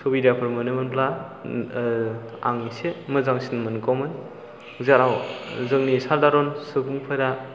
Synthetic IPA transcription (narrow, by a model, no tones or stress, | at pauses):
sʰobiɾjapʰɯɾmɯnɯmɯnpla | a̰ŋisemɯzaŋsinmɯnkɔmɯn | zaɾawzɯŋnisaɾdaɾɔnsɯkʰuŋpʰajɾa